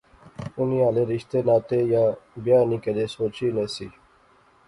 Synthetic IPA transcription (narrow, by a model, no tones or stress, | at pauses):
ʊniːaːleːɾɪʃt̪eːnaːt̪eːjaːbjaːniːkəd̪eːsoːt͡ɕiːneːsiː